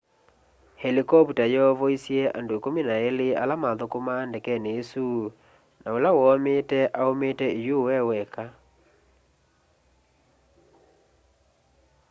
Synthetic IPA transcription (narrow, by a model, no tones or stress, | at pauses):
hɛlikɔputajɛɔvɔisiɛʔa̰ndoekominaelea̰lamaðokomaːndɛkɛneesu | naolawɔmetɛʔaometɛejowɛwɛka